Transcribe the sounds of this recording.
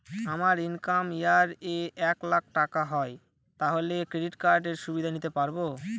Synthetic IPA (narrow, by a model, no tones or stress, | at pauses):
amaɾinkamjaɾeɛklak̚ʰʈakaɦɔe | t̪aɦolekɾeɖiʈkaɾɖeɾʃubid̪ʱanit̪epaɾbo